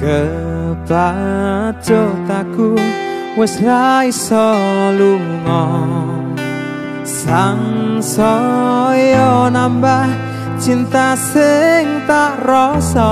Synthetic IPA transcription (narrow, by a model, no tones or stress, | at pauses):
kə | b̥ḁ | t͡ʃɔt̪aku | wɛsraisɔluŋɔ | saŋsɔ | jɔnambah | t͡ʃint̪asɪŋt̪aʔrɔsɔ